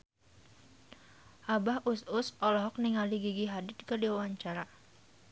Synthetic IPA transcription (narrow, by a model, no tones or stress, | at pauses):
ʔabahʔusʊsɔlɔɦɔk̚niŋaliɡiɡiɦadɪt̪̚kədiwawaɲt͡ʃaɾa